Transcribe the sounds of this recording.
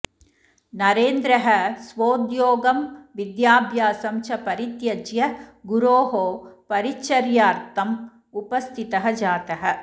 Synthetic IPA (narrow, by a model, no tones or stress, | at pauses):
nɐɾeːnd̪ɾɐɦɐ̆sʋoːd̪joːɡɐmʋid̪jaːbʱjaːsɐmt͡ʃʰɐpɐɾit̪jɐd͡ʒjɐɡuɾoːɦoːpɐɾit͡ʃɐɾjaːɾt̪ʰɐm | upɐst̪ʰit̪ɐɦɐd͡ʒaːt̪ɐɦɐ̆